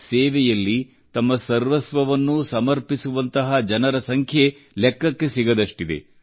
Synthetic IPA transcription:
seːʋɛjɐlːi | t̪ɐmːɐsɐɾʋɐsʋɐʋɐnːusɐmɐɾpisuʋɐnt̪ɐɦɐd͡ʒɐnɐɾɐsɐŋkʰje | lekːɐkːe̞siɡɐd̪ɐʂʈid̪e̞̰

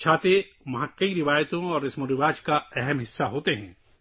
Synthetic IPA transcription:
t͡ʃʰaːt̪e | ʋɐɦãkɐiɾɪʋaːjt̪õɔːɾɪsmoɾɪʋaːd͡ʒkaɛɦɛmɦɪsːaɦoːt̪eɦɛ̃ː

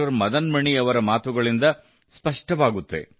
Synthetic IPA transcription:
ɐɾmɐd̪ɐnmɐɳiɐʋɐɾɐmaːt̪uɡɐɭind̪ɐ | spɐʂʈɐʋaːɡut̪ːḛ

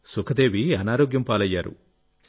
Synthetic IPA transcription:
sukʰɐd̪e̞ːʋiɐnaːɾoːɡjɐmpaːlɐjːaːɾṵ

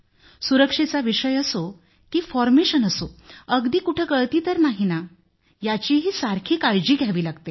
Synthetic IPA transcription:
suɾəkʂet͡saʋiʂəjəso | kiːfɔɾmeɕənəsoəɡd̪iːkuʈʰəɡəɭt̪iːt̪əɾnaɦina | jat͡ɕiːɦiːsaɾkʰiːkajd͡ʑiːɡʱaʋiːlaɡt̪e

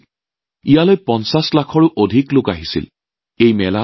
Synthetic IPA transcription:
ijalojpɔnsaslakʰɔɹʊʔodʱiklʊkaɦisḭl | ejmɛla

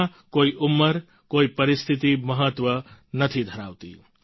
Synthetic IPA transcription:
koiʔumːəɾ | koipɐɾist̪ʰit̪imʌɦət̪wʌnʌt̪ʰid̪ʱɐɾawt̪ḭ

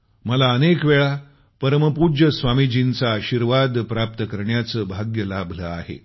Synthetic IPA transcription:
məlaənekʋeɭa | pəɾəməpud͡ʑəsʋamid͡ʑint͡saːɕiɾʋad̪pɾap̚t̪əkəɾɳjat͡səːbʱaɡjəlabʱləaɦḛ

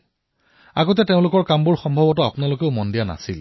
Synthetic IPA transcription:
a̰ɡot̬ɛteʊ̃lʊkɔɹkambuɹxɔmbʱɔbɔtʊapʊnalokeʊmɔndijana̰sḭl

